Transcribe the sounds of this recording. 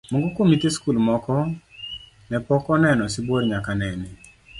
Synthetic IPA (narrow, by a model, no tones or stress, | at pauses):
mɔŋɡɔkomit̪eskulmɔkɔ | nɛpɔkɔnɛnɔsɪbwoɾɲakanɛnɛ